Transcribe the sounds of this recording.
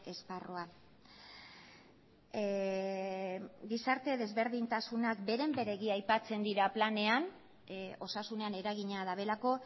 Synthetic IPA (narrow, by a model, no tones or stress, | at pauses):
e̞sparo̞a | ɡisaɾt̪e̞ðe̞zβe̞ɾðint̪asunakbe̞ɾe̞mbe̞ɾe̞ɣiajpat͡se̞nd̪iɾaplane̞an | o̞sasune̞ane̞ɾaɣiɲað̞aβe̞lako̞